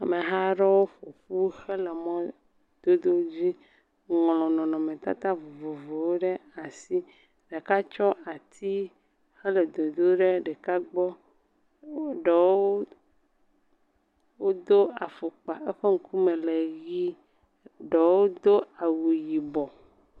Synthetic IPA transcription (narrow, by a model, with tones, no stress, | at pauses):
a˨me˨ɦa˦ɖɔ˦wo˦ɸo˨ɸu˦xe˦le˨mɔ̃˦ | d̪̥o˦d̪o˦d͡ʑi˦ | ŋlɔ̃˨nɔ̃˨nɔ̃˨mẽ˨t̪a̰˦t̪a˦vo˨vo˨vo˨wo˦ɖe˦a˨si˦ | ɖe˨ka˦t͡ʃɔ˦ʔa˨t̪ʰi˦ | xe˦le˨d̪o˨d̪o˦ɖe˦ɖe˨ka˦ɡ͡bɔ˦ | ɖɔ˨wo˦ | wo˦d̪o˦a˨fo˨k͡pa˨ʔɛ˦ɸe˦ŋ̩˨ku˦me˨le˨ɣi˦ | ɖɔ˨wo˦d̪o˦a˨wu˨ji˨bɔ˨